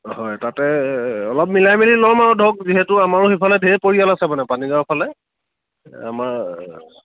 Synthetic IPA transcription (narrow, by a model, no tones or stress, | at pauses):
hɔjtatɛɔlɔp̚milajmililɔɹmaɹɔdʱok̚ziɦɛtʊamaɹʊxipʰalɛdʱepoɹijalasɛmanɛpanidapʰalɛ | a̰maɹ